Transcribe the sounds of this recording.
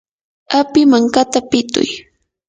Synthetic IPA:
apɪmaŋkat̪apɪt̪ʊ̰j

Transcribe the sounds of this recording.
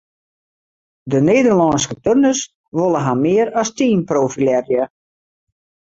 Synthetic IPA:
dəneːdərlɔnskətønəs | ʋolˠəɦamɪːəɾɔstiːnproːfilɛrjə

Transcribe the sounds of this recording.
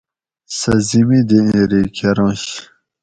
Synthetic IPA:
sɐzimid̪iĩɾikʰeɾõɕ

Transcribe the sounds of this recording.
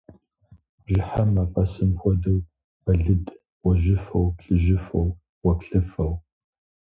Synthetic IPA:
ʒɪħɐmɐfʼɐsɨmxʷɔdɨw | ɐɮɨd | wɐʒɪfɐwpɬɨʒɪfɐw | wɐpɬɨfɐw

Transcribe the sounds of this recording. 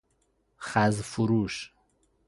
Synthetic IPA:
χazfuɾuʃ

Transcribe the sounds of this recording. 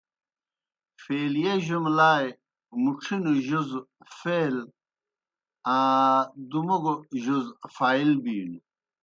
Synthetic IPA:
feːlijeʑumlaːj | muʈ͡ʂʰinuʑuzfeːl | ãd̪umuɡoʑuzfaːilbiːnu

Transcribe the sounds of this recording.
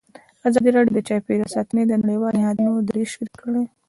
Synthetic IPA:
azɑd̪iɾaɽjod̪ət͡ʃɑjpeɾasɑt̪ned̪ənaɽiwɑlnɪhɑd̪nod̪ɾeʃiɾkəɽe

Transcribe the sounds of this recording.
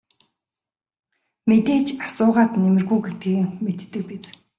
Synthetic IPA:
met̪eːt͡ɕasʊːʁaːt̪nemɘ̆rɣujɡet̪ɡiːɣɘ̆ŋmet̪ːɘ̆k̚pet͡s

